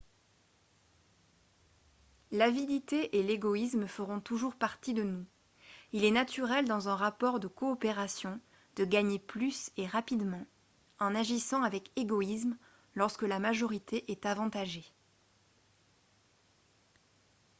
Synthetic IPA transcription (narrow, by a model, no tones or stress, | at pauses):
lavid̪it̪eʔeleɡɔismfəʁɔ̃t̪uʒuʁpaʁt̪id̪ənu | ilɛnat̪ʰyʁɛld̪ɑ̃zɛ̃ʁapɔʁd̪əkɔːpeʁasjɔ̃ | d̪̥əɡaɲeplyseʁapid̪mɑ̃ | ɑ̃naʒisɑ̃avɛkeɡɔism | lɔʁskəlamaʒɔʁit̪ʰeʔɛt̪avɑ̃t̪aʒe